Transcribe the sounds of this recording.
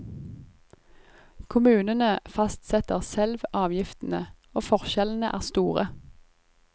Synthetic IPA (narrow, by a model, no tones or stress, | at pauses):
kʰʊmʉːnənəfɑst̪sɛt̪əʁsɛlʋɑːʋjɪft̪n̩əoːfɔʁʃɛln̩əʔæ̰ːʁst̪uːʁə